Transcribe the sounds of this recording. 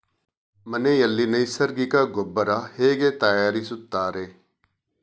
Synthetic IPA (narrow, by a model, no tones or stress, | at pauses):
məneːjɐlːiːnɐisəɾɡikaːɡʊbəɾaheːɡeːt̪aːjaːɾisʊt̪ːaːɾeː